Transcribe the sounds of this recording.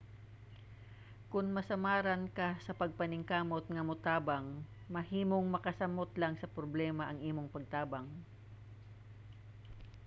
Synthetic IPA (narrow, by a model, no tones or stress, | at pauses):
kʊŋmɐsɐmaːɾɐnkɐsɐpɐɡ̚pɐnɪŋkaːmo̞t̪̚ŋɐmʊt̪aːbaŋ | mɐhiːmoŋmɐkɐsɐmot̪laŋsɐpɾoblɛːmɐʔɐŋʔiːmoŋpɐɡ̚t̪aːbɐŋ